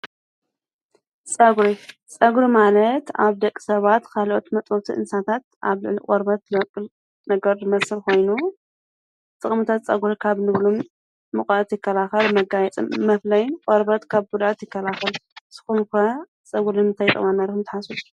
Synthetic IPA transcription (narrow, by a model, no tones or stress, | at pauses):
t͡sʼɐɡɾit͡sʼɐɡɾimalɐt̪aβd̪ɐkʼːi̥sɐβat̪kʰalʔot̪mɐt̪ʼot̪ʰiʔɨ̰nsat̪ʰat̪̚ʔaβlɨʕlikʼoɾbɐt̪̚ɨbɐkʼːɨl | nɐɡɐɾjɨmɐsɨlko̞jnu | t̪ʼɨχʼmɨt̪ʰat̪t͡sʼɐɡuɾikʰaβnɨβlumː | ɨχʼɐʔt̪jɪkːɐlaxɐlmɐɡajɛt͡sʼmmɐflɐjqʼɔɾbɐt̪kʰaβɡud̪at̪jɪkːɐlaxɐlz̥ɨ̥xunkɐ | t͡sʼɐɡuɾmɨnt̪ʰajt̪ʼɐ̰manːɐɾxɨmt̪ʰɨħasut̪